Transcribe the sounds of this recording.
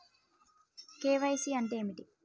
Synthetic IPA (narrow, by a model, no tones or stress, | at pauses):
keːʋɐjsiɐɳɖeːmiʈi